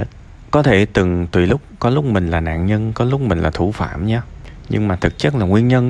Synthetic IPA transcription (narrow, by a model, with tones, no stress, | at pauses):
kɔ˨˦t̪ʰe˧˩t̪ɨ˨˩ŋt̪wi˨˩lʊ˦˥k͡p̚kɔ˨˦lʊ˦˥k͡p̚mï˨˩ŋ̟laː˨˩na̰ː˧˨nɲə˧nkɔ˨˦lʊ˦˥k͡p̚mï˨˩ŋ̟laː˨˩t̪ʰu˧˩fa̰ː˧˨mɲaː˧ɲɨ̰˧ŋmaː˨˩t̪ʰɨ˨˩k̚t͡ɕə˦˥k̚laː˨˩ŋwi˧ənɲə˧n